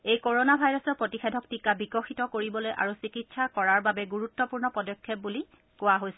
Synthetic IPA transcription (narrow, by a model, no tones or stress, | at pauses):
ejkoɹonabʱajɹɔsɔɹpɹotixedʱɔktikabikɔxitɔkoɹibɔlojʔa̰ɹusikitsʰakɔɹaɹbabɛɡuɹutːɔpuɹnɔpɔdɔkʰːɛp̚buli | kʊwaɦojsɛ